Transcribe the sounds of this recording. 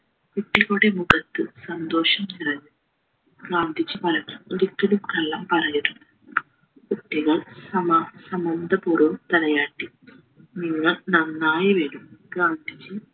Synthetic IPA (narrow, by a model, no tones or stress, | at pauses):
kuʈːiɣoːɽemuɣɐt̪ːɨsɐnd̪o̞ːʂɐmt͡ɕirɐɲːu | ɡaːnd̪ʱit͡ɕːɨpɐɾɐɲumiɾikːɐlumkɐɭːɐmpɐrɐjiɾunː | kuʈːiɣɐɭsɐmsɐmɐnd̪ʱɐpurot̪ɐlɐjaːʈːi | niŋːɐɭnɐnːaːjɐʋeːlumɡaːnd̪ʱit͡ɕːɨ